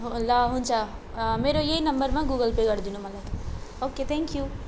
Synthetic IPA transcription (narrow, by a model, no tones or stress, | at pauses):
ɦlaɦũnt͡ʃʰa | meːɾojeɦinɐmbəɾmãɡuɡəlpeɡəɾd̪inumɐlaoːket̪ʰɛ̃ŋkju